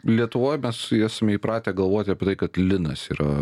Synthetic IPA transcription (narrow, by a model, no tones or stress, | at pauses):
lʲiɛt̪ʊʋoːjmʲɛsæːsɐmʲɛiːpɾɑːt̪ʲeːɡɐlˠʋoːt̪ʲɪɐpʲɛt̪ɐɪkɐt̪lʲɪnɐsiːɾɐ